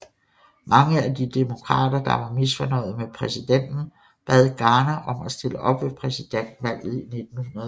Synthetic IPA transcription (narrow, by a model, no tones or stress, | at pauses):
mɑ̈ŋəæd̥id̥emo̝kʰʁɑ̰̈ːd̥ɐd̥ɑ̈ʋɑ̈misfɒnɒ̽ɪ̰ð̞̩ˠmepʰʁɛsid̥en̰d̥n̩ | b̥ɛð̰ˠɡ̥ɑ̈ːnæʔɒ̽mæsd̥e̝ləʔɒ̽b̥ʋe̝pʰʁɛsid̥en̰d̥ʋæl̰ð̩ˠine̝d̥̚n̩hunɐðˠ